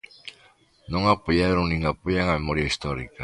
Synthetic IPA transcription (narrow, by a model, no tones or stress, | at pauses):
nõŋapoʎaɾõŋnĩŋapoʎaŋamemoɾjaist̪ɔɾḭka